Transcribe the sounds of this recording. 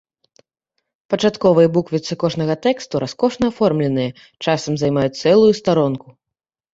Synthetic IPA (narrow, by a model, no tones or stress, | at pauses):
pɐt͡ʂat̪kɔvɨjɛbukvʲit̪sɨkɔʐn̪ɐɣɐt̪ɛkst̪uɾaskɔʂnɐːfɔrmlʲɛnɨjɐ | t͡ʂasɐmzajmajut͡s̚ʲt̪sɛlˠujust̪aɾɔnku